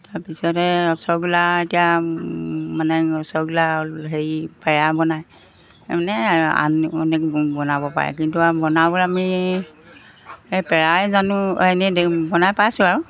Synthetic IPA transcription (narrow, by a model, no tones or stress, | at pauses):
taɹpisɔtɛɔsɔɡulaitija | manɛɔsɔɡulaɦejpaɹabɔnaj | manɛa̰nɔnɛkbɔnabɔpa̰ɹɛ̰kintuabɔnabɔɹami | epɛɹajzanuɛnɛdbɔnajpajsʊaɹu